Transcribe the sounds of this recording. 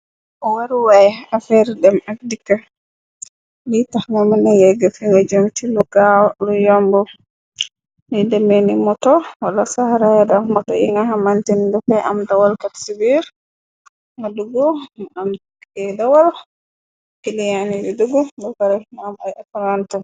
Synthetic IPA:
ʔɔwaɾiwajafɛɾdɛmak̚dikːa | litahŋamanajɛɡafiŋɡɔd͡ʒomt͡ʃiluɡawlɔjɔmbɔ | nidɛmenimɔtɔwalasahaɾajɛdamɔtɔ̰ʔḭŋɡaɦamantindɔfɛʔa̰mdawalkatsibiɾ | ŋɡɔduɡɔɗam | ɛdawal | kilijanidɛduɡɔɡɔkaɾɛnamajapalanta

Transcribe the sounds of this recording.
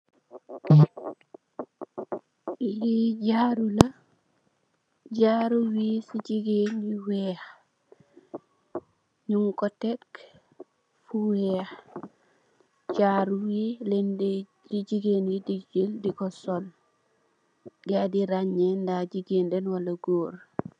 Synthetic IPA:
jiɟaɾula | ɟaɾuwisiɟiɡeniweh | ɲuŋkotek | fuwex | ɟaɾuwilend | liɟiɡenidid͡ʒildikosol | ɡadiɾaɲendaɟiɡendenwalaɡoːɾ

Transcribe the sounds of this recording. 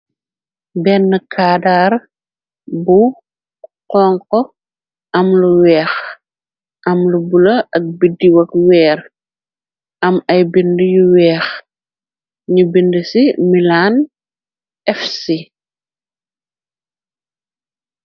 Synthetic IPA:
bɛnːəkʰaːdaːr | bu | qɔːŋkɔ | ʔɐmluwɛːx | ʔɐmlubulɐɐk̚bidːiwɐkwɛːr | ɐmɐjbindəjuwɛːx | ɲubindəsimilan | ʔɛfsi

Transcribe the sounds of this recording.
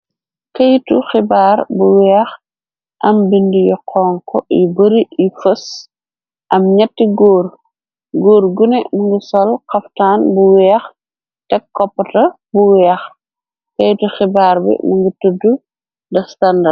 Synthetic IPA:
kɐjtuxibaːɾbuwɛːx | ʔɐmbindijɔqʰɔːŋkɔ̰jḭbəɾiifɐs | ʔɐmɲɐtːiɡoːr | ɡoːɾɡunɛmuŋɡisɔlqɐftaːnbuwɛːx | tɛkːɔpːɐtɐ | buwɛːx | kɐjtuxibaːɾbḭmuŋɡitudu | dɐstɐndɐ

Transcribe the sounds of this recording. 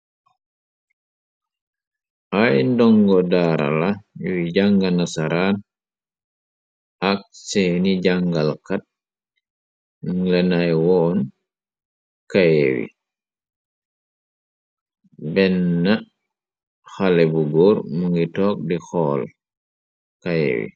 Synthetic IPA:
ʔajndɔŋɡɔdaːɾa̰lawiɟaŋɡanasaɾaːn | ak̚seniɟaŋɡalkat̚ | ŋlɛnajwɔːn | kajewḭ | bɛnːa | xalɛbuɡɔːɾmuŋɡitɔːk̚dixɔːl | kajḛwḭ

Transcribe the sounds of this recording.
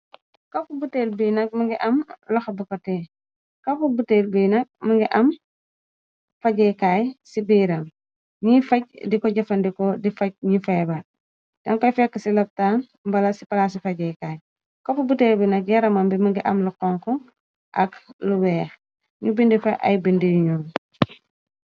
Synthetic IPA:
kafubutelbiːnɐk̚mɐŋɡiʔɐmlɔxɐbukɐtɛː | kɐfubutelbiːnɐk̚mɐŋɡiʔɐm | fɐɟɛkaːjsibiːɾɐm | ɲifɐɟ̚dikɔɟɐfɐndikɔdifɐɟ̚ɲifɛba | d̥ɐŋkɔjfɛkːɐsilɐp̚tan | mbɐlɐsipɐlas̬ifɐɟɛkaːj | kɔpubutelbinɐk̚jɛɾɐmɐmbimɐŋɡiʔɐmluqɔŋkɔ | ʔɐkluwɛːx | ɲubindifɐʔɐ̰jbindijuɲɔn

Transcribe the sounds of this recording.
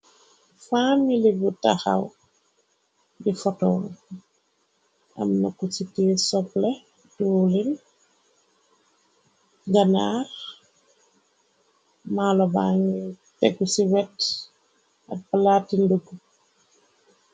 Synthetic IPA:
familibutaxa̰w | bifɔtɔːl | ʔɐ̰mnɐkusitɛːsɔplɛ | tulil | ɡanaɾ | maːlɔbaŋi | tɛkːusiwɛt | ɐ̰t̚balatːinduɡu

